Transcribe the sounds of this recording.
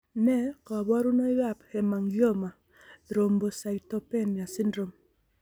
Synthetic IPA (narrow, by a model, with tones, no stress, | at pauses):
nɛ˦kɔ˨bɔ˦ɾu˦no˦ja˦˨phɛ˨ma˨ŋɡjo˦ma˨ | ɾo˨mbo˨sa˨ito˦pɛ˦˨nmja˨sɪ˦ndɾo˦m